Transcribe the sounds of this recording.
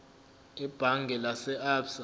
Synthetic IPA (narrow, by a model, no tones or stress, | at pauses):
ib̥ʱaŋɡʱɛlasɛabsa